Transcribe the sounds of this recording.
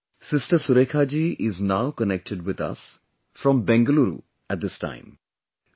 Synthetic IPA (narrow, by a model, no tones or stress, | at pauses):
sɪstəsuɾekʰad͡ʒiʔɪznawkənɛk̚ʈɪɖwɪd̪ʌ̰s | fɹɔ̃mbɛ̃ŋɡəluɾṵ | æt̚d̪ɪstã̰ɪ̃m